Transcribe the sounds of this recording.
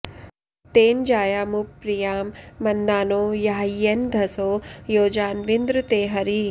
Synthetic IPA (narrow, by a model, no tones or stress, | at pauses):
t̪eːnd͡ʒaːjaːmupɾijaːmːɐnd̪aːnoːjaːiend̪ʱɐsoːjoːd͡ʒaːnʋind̪ɾut̪eːɦɐɾi